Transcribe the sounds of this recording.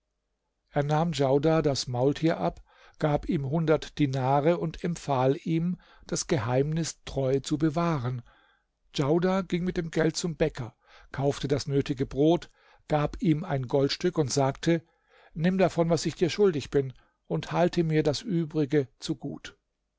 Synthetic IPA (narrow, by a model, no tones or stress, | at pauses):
ʔeːɐnaːmd͡ʒaʊdaːdasmaʊltʰiːɐʔap | ɡ̥aːpiːmɦʊndɐtd̥inaːʁəʊntʰɛmpfaːlʔiːm | d̥asɡ̥əhaɪmnɪstʁ̥ɔʏt͡subəvaːʁən | d͡ʒaʊdaːɡɪŋmɪt̚d̥eːmɡɛlt̚t͡sʊmbɛkʰɐ | kʰaʊftədasnøːtɪɡəbʁoːt | ɡ̥aːpʔiːmaɪnɡɔltʃtʏkʊntz̥aːk̚tʰə | nɪmdafɔnvasɪçd̥iːɐʃʊldɪçb̥ɪn | ʔʊnthaltʰəmiːɐdasʔyːbʁɪɡət͡suɡṵːt